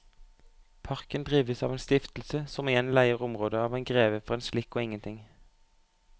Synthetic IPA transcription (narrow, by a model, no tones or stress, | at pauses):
pʰɑʁkənd̪ʁiːʋəsɑ̰ːʋeːnst̪ɪft̪l̩səsɔmɪjɛnlæɪəʁʊmʁoːd̪əɑːʋeːnɡʁeːʋəfɔʁeːnslɪkːoːɪŋənt̪ʰɪŋ